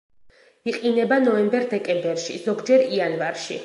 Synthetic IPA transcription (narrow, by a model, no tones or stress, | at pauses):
iqʼinɛbanɔɛmbɛɾd̪ɛkʼɛmbɛɾʃḭz̥ɔɡd͡ʒɛɾianvaɾʃḭ